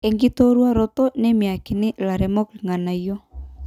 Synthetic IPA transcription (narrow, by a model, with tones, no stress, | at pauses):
e˨ŋɡi˦to˦ɾwa˦ɾo˦tɔ˦ne˦mi˨a˨ki˨nɪ˦la˨ɾɛ˨mɔ˦kli˨ŋa˨na˨jɔ˦